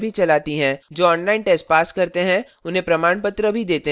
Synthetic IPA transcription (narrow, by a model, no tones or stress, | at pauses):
bʱit͡ʃɐlaːt̪iɦɛ̃d͡ʒoːɔ̃ːnlaːɪnʈɛːsʈ̚paːskɐɾt̪eɦɛ̃ | ʊnɦẽpɾɐmaːɳpət̪ɾəbʱid̪eːt̪e